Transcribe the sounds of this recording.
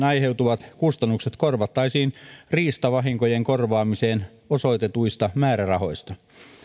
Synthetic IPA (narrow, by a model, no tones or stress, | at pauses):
nɑjɦe̞wt̪uʋɑt̪kust̪ɑnːukset̪korʋɑt̪ːɑisiːnriːst̪ɑʋɑɦiŋkojeŋkorʋɑːmiseːn | oso̞jt̪et̪ujst̪ɑmæːɾærɑho̞̰jst̪ɑ